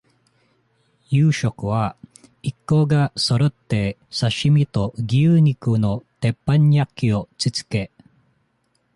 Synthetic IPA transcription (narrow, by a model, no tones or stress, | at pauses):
jɯːɕokɯ̟βa | ikːoːɡaso̞ɾot̪ːe̞saɕimʲit̪o̞ɡʲiɯɲikɯno̞t̪e̞pːãɲjakʲːio̞t͡sɨt͡sɨ̥ke̞